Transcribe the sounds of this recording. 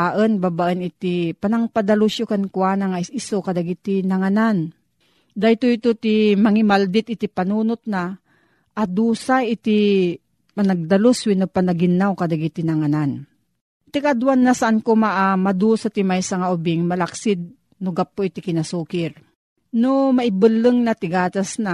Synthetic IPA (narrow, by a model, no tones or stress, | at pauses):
aʔənbabaʔənɪt̪ipanaŋpad̪aluʃjokankwaːnaŋaisokad̪aɡit̪inaŋanan | d̪ajt̪oit̪ot̪imɐŋɪmald̪ɪt̪̚ɪt̪ipanuːnʊt̪̚na | ʔad̪uːsaʔɪt̪i | panaɡ̚d̪aloswinopanaɡɪnːawkad̪aɡit̪inaŋanan | t̪ikad̪wanːasaʔankomaʔamad̪usat̪imajsaŋaʊbɪŋmalaksɪd̪̚ | nʊɡapːoʔit̪ikɪnasuːkɪɾ | nomaʔɪbɨlːɨŋnat̪ɪɡaːt̪asna